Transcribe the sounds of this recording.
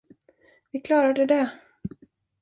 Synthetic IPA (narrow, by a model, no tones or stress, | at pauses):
vɪkʰlɑːɾad̪əd̪ɛ